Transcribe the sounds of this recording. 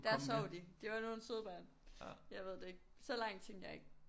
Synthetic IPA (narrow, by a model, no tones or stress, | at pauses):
d̥æɐsɒʊ̰d̥id̥e̝ʋɑ̈no̝ːn̩søðˠb̥æ̰ːn | jɑ̈ɪʋe̝ð̰ˠd̥e̝eɡ̥̚sɒlɑ̈ŋ̰d̥t͡sʰeŋ̰̥jɑ̈ɪe̝ɡ̥̚